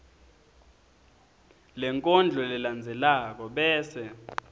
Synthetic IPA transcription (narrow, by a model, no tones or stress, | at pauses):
lɛŋkʼɔnd͡ɮʱɔlɛland͡zʱɛlak̬ɔɓɛːsɛ